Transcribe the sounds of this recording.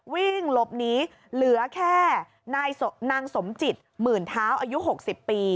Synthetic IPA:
wi˥˩ŋlo˦˥p̚niː˦˥ | lɯ˨˩˦ɐkʰɛː˥˩ | naː˧jnaː˧ŋso˩˦mt͡ɕi˨˩t̪̚mɯː˨˩nt̪ʰaː˦˥wʔaː˧ju˦˥ɦo˨˩k̚si˨˩pːiː˧

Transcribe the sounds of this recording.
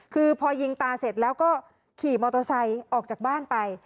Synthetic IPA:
kʰɯː˧pʰɔː˧ji˧ŋt̪aː˧se˨˩t̪̚lɛː˦˥wkɔː˥˩ | kʰiː˨˩mɔː˧t̪o˧sa˧jʔɔː˨˩k̚t͡ɕaː˨˩k̚baː˥˩npa˧j

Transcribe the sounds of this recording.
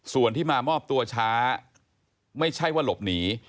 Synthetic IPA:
su˨˩ənt̪ʰiː˥˩maː˧mɔː˥˩p̚t̪u˧ɐt͡ɕʰaː˦˥ | ma˥˩jt͡ɕʰa˥˩jwaː˥˩lo˨˩p̚niː˩˦

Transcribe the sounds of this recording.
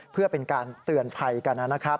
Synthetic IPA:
pʰɯ˥˩ɐpe˧nkaː˧nt̪ɯ˨˧ənpʰa˧jka˧nːa˦˥n˦˥kʰa˦˥p̚

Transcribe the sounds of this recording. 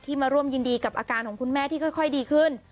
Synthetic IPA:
t̪ʰiː˥˩maː˧ɾu˥˩əmjɯː˧ndiː˧ka˨˩pʔaː˧kaː˧nkʰɔ˩˦ŋkʰu˧nmɛː˥˩t̪ʰiː˥˩kʰɔ˥˩jkʰɔ˥˩jdiː˧kʰɯ˥˩n

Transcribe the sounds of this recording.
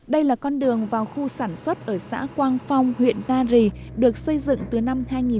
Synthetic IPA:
ɗə˧jlaː˨˩kɔ˧nɗɨ˨˩əŋvaː˨˩wxu˧saː˧˩nswə˦˥t̚ʔəː˧˩sa̰ː˧˥kwaː˧nfa˧wŋ͡mhwḭ˧˨əntaː˧zi˨˩ | ɗɨ˨˩ək̚sə˧jzɨ̰˧˨ŋt̪ɨ˨˩na˧mhaː˧jŋi˨˩

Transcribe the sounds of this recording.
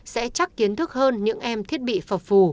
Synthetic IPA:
sɛ̰˧˥t͡ɕa˦˥k̚ki˨˦ənt̪ʰɨ˦˥k̚həː˧nɲɨ̰˧˥ŋʔɛ˧mt̪ʰi˦˥ət̚ɓḭ˧˨fə˨˩fu˨˩

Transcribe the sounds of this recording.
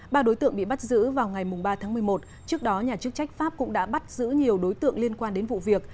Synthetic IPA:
ɓaː˧ɗo˨˦jt̪ɨ̰˧˨əŋɓḭ˧˨ɓa˦˥t̚zɨ̰˧˥vaː˨˩wŋa˨˩jmʊ˨˩ŋ͡mɓaː˧t̪ʰaː˨˦ŋmɨ˨˩əjmo˨˩t̚ | t͡ɕɨ˦˥ək̚ɗɔ˨˦ɲaː˨˩t͡ɕɨ˦˥k̚t͡ɕa˦˥jk̟̚faː˦˥p̚kʊ̰˧˥ŋ͡mɗa̰ː˧˥ɓa˦˥t̚zɨ̰˧˥ɲi˨˩əwɗo˨˦jt̪ɨ̰˧˨əŋli˧ənkwaː˧nɗe˨˦nvṵ˧˨vi˨˩ək̚

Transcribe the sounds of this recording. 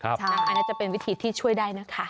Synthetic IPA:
kʰa˦˧tʰaː˧ŋaː˧˥kʰaː˧jnaː˥˩t͡ɕa˨˩pe˧nwi˦˥t̪ʰiː˧t̪ʰiː˥˩t͡ɕʰu˥˩əjdaː˥˩jna˦˥kʰa˦˥

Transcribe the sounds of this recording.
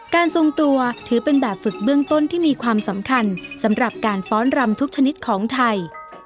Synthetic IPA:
kaː˧nso˧ŋt̪u˧ɐt̪ʰɯː˩˦pe˧nbɛː˨˩p̚fɯ˨˩k̚bɯ˥˩əŋt̪o˥˩nt̪ʰiː˥˩miː˧kʰwaː˧msa˩˦mkʰa˧nsa˩˦mɾa˨˩p̚kaː˧nfɔː˦˥nɾa˧mt̪ʰu˦˥k̚t͡ɕʰa˧ni˦˥t̪̚kʰɔː˩˦ŋt̪ʰa˧j

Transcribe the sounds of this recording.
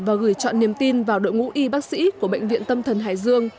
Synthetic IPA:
vaː˨˩ɣɨ˨˧˩jt͡ɕɔ̰˧˨nːi˨˩əmt̪i˧nvaː˨˩wɗo̰˧˨jŋṵ˧˥ʔi˧ɓaː˦˥k̚sḭ˧˥ku˧˩əɓə̰˧˨ŋ̟vḭ˧˨ənt̪ə˧mt̪ʰə˨˩nɦa̰ː˧˨˩jzɨ˧əŋ

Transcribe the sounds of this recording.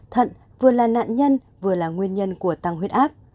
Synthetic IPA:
t̪ʰə̰˧˨n | vɨ˨˩əlaː˨˩na̰ː˧˨nɲə˧n | vɨ˨˩əlaː˨˩ŋwi˧ənɲə˧nku˧˩ət̪a˧ŋɦi˦˥t̚ʔaː˦˥p̚

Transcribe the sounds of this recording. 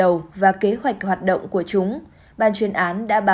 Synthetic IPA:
ə˨˩wvaː˨˩ke˨˦ɦwa˨˩jk̟̚hwaː˨˩t̚ɗo̰˧˨wŋ͡mku˧˩ət͡ɕʊ˨˦ŋ͡m | ɓaː˨˩nt͡ɕwi˨˩ənʔaː˨˦nɗa̰ː˧˥ɓaː˨

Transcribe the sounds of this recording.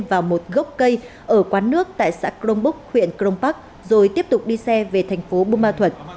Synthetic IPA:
vaː˨˩wmo˨˩t̚ɣə˦˥wk͡p̚kə˧j | ʔəː˧˩kwaː˨˦nɨ˦˥ək̚t̪a̰ː˧˨jsa̰ː˧˥kɾo˧wŋ͡mɓʊ˦˥k̚hwḭ˧˨ənkɾo˧wŋ͡mpa˦˥k̚ | zo˨˩jt̪i˦˥əp̚t̪ʊ˨˩k͡p̚ɗi˧sɛ˧ve˨˩t̪ʰɛ˨˩ŋ̟fo˨˦ɓu˧maː˧t̪ʰwə˨˩t̚

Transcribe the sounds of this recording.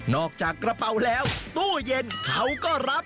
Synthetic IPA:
nɔː˨˩k̚t͡ɕaː˨˩kːɾa˧pa˧wlɛː˦˥wt̪u˥˩əje˧nkʰa˦˥wkɔː˥˩ɾa˦˥p̚

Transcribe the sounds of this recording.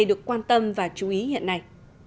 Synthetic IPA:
jɗɨ˨˩əkːwaː˧nt̪ə˧mvaː˨˩t͡ɕu˨˦ʔi˨˦hḭ˧˨ənːa˧˩j

